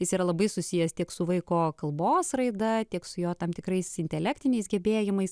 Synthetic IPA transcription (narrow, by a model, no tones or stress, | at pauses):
jɪsiːɾɐlˠɐbɐɪsʊsʲijɛst̪ʲiɛksʊʋɐɪkoːkɐlˠboːsrɐɪd̪ɐt̪ʲiɛksʊjoːt̪ɐmt̪ʲɪkrɐɪsɪnʲt̪ʲɛlʲæːkt̪ʲɪnʲɛɪsɡʲɛbʲeːjɪmɐɪs